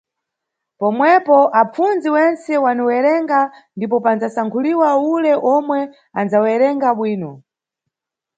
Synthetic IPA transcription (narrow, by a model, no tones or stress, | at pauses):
pɔmwɛpɔʔap͡fund͡ziwɛnt͡sɛwaniwɛɾɛŋɡandipɔpand͡zasaŋkʰuliwaulɛʔɔmwɛ | and͡zawɛɾɛŋɡaɓwiːnɔ